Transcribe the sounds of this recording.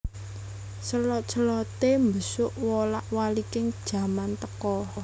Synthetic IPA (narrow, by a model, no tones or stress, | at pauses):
səlɔt͡ʃəlɔt̪embəsʊʔwɔlaʔwalikɪŋd̥ʒ̥ä̤mant̪əkɔ